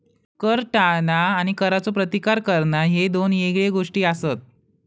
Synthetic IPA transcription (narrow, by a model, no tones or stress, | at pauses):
kəɾʈanaːɽ̃ikəɾat͡sopɾət̪ikaɾkəɾɳaɦed̪oneɡɭeɡoʂʈiːasət̪̚